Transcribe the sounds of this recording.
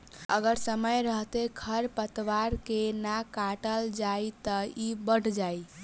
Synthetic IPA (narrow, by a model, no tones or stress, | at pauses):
əɡəɾsəməjɾəɦt̪eɡʰʱəɾpət̪waɾkenakaʈəld͡ʒajt̪əibəɽ̤ʱd͡ʒaj